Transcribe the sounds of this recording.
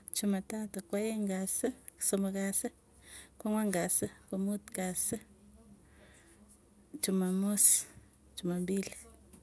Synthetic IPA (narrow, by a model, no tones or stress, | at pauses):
t͡ʃumatatakwajeŋɡasəsomakasɨ | kʷaŋwaŋɡasəkʷumutkasə | t͡ʃumamus | t͡ʃumambili